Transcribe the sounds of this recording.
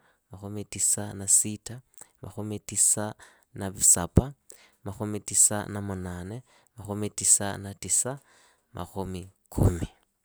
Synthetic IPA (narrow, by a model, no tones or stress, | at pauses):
maxʊmitʼisanasitʰamʔa̰xʊmitʼisa | naβisapʰʼamaxʊmitisa̰namʊnaːnɛ | maxʊmitʼisa̰natisa | mʔa̰xʊmikʰʊ̰mi